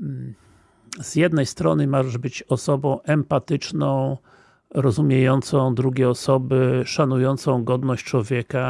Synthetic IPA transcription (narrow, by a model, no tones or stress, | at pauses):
z̥jɛd̪nɛjst̪ɾɔ̰nɘmaʐɛʐbɘt͡ɕɔsɔbɔ̃w̃ʔɛmpat̪ɘt͡ʂnɔ̃w̃ | ɾɔzumʲjejɔnt̪sɔ̃w̃d̪ɾuɡʲeɛɔsɔbɘʂanujɔnt̪sɔ̃w̃ɡɔd̪nɔɕt͡ɕt͡ʂwɔvʲjɛka